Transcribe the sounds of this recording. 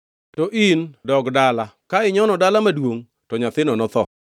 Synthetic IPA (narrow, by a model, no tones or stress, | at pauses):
tɔʔindɔɡdala | kaɪɲɔnɔdalamadwoŋ | tɔɲat̪ɪnɔnɔt̪ɔ̰